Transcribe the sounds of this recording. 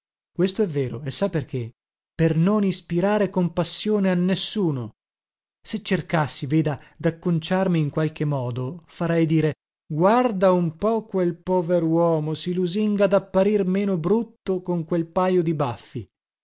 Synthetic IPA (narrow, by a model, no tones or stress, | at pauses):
kwest̪oɛvːeːɾoesːaperkʰe | pernonispiɾaːɾekompasːjoːneanːesːuːno | set͡ʃːerkasːiveːd̪ad̪akːont͡ʃarmiːŋkwalk̟emːɔːd̪ofaɾɛjd̪iːɾe | ɡward̪aumpɔkwelpɔːveɾowɔːmosiluziŋɡad̪apːaɾirmeːnobɾut̪ːokoŋkwelpajod̪ibafːi